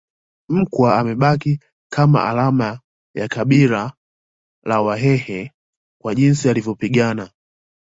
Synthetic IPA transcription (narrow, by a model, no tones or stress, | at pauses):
m̩kwaamɛɓaki | kʰama̰ʔa̰lama | jakaɓila | lawaɦɛhɛ | kwaʄinsialivjɔpiɠana